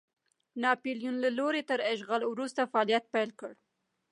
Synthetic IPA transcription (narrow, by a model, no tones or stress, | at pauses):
nɑpiljunlaloɾet̪əɾɪʃɣalwɾust̪afaɑljat̪̚pajlkəɽ